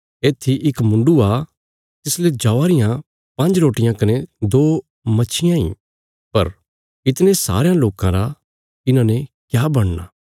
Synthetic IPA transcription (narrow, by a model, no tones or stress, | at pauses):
eːt̪ʰːiʔɪkmʊ̃ɳɖua | t̪ɪsled͡ʒaːʋaɾɪjã | pɐ̃nd͡ʒɾoːʈɪjãkɐned̪oː | mɐːʃʰɪjãḭ̃ | pɐɾ | ɪt̪nesa̰ːɾejãloːkãɾa | ɪnãnekjaːbɐɽ̃na̰ː